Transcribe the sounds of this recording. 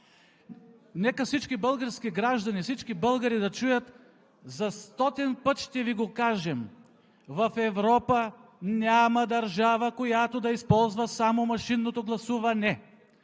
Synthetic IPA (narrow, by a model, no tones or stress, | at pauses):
nɛkəfsit͡ʃkibəlˠɡəɾsk̟iɡɾaʒd̪ɐnifsit͡ʃkibɤlˠɡɐɾid̪ɐt͡ʃujət̪ | zɐst̪ɔt̪ɛnpət̪ʃt̪ɛviɡokaʒɛm | vɐfɛvɾɔpənʲamɐd̪ɐɾʒavəkojat̪od̪ɐispɔlˠzvɐsamomɐʃinːot̪oɡlˠɐsuvɐnɛ